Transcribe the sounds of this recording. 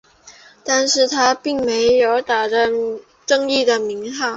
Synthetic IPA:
t̪a˥˧nʂɻ̩˥˩t̪ʰa˥pi˥˩ŋme˧˥ɪjo˧˥ʊt̪a˨˩d̪ə˦ | ʈ͡ʂɤ˥˧ŋi˥˩d̪ə˩mi˧˥ŋxa˥˩˦

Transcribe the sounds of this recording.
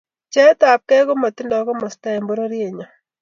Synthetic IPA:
t͡ʃɛ˦ta˨p̚kɛ˦ko˦ma˨ti˦ndɔ˨˦kɔ˦mɔ˨sta˦e˨mbo˦ɾo˦ɾi˦e˨ɲɔ˨

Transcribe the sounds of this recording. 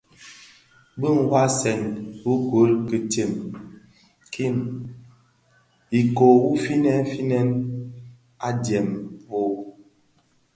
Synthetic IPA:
bə˦ŋ˨wa˦sɛ˨ŋwu˦kwo˨˦lkə˨te˨m | ki˦˨n | i˨ko˨wu˦fi˦nɛ˦fi˦nɛ˦n | a˦djɛ˨mvo˦˨

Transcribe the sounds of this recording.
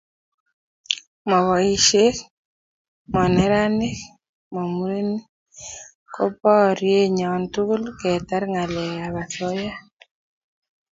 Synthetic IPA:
mɔ˨βɔ˨i˨ʃe˦k | mɔ˨nɛ˨ɾa˦ne˦k | mo˨mu˨˦ɾe˦ni˦ | kɔ˦pɔ˦ɾje˦ɲɔ˨ntu˦ku˦lkɛ˨ta˦ɾŋa˨lɛ˨a˨βa˨θɔ˦ja˦

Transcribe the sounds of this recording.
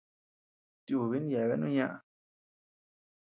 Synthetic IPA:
t̪ju˧˨βi˦n˦ja˨βe˦nũ˦ɲã˦ʔa˧

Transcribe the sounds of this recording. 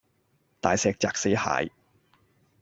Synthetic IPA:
t̪aː˨jsɛː˧k̚t͡saː˨k̚se˨˥jha̰ː˨˧j

